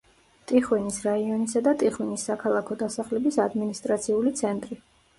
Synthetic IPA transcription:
t̪ʼiχwɛnisɾaiɔnisad̪at̪ʼiχwinisːakʰalˠakʰɔd̪asaχlɛbisad̪minist̪ʼɾat̪sʰiulit̪sʰɛnt̪ʼɾi

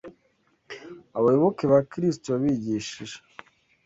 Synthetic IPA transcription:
aβajoβokeβakɾis̬toβaβiɟiʃiʒe̥

